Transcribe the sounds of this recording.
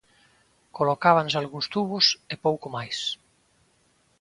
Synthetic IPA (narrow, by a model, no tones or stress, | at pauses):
kolokaβ̞ansalɣunst̪uβosepowkomajs